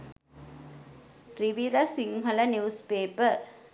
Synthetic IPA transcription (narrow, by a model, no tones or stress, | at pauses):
riʋiɾasiŋɦɐlənuuspeːpə